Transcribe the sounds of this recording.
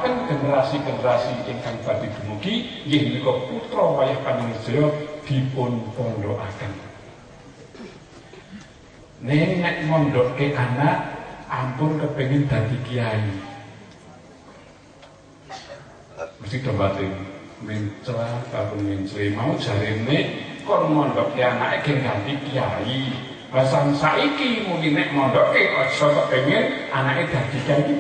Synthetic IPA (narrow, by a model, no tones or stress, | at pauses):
akənɡ̥enəɾasiɡ̥e̤nəɾasiʔɪŋkaŋpad̪̥i̤d̪̥ṳmukijɪhnikɔput̪ɾɔwajahkaniŋəd̥ɔjɔd̪̥i̤pʊnpɔndɔʔa̰kən | nɛŋnɛʔŋɔndɔʔkeʔanaʔampʊnkəpeŋɪnd̪̥ä̤t̪ikiai | məst̪id̪̥o̤mbat̪ɪŋmiɲt͡ʃlakaɾoŋiɲt͡ʃɾemaud̥ʒ̥a̤ɾenekɔnŋɔnd̪ɔʔkeanaʔeɡ̥ɛŋɡamp̪ikiai | basaŋsaʔikimuŋkinɛʔmɔndɔʔkeɔsɔkɔʔpeŋɪn | anaʔed̪̥ä̤d̪̥i̤kiaiki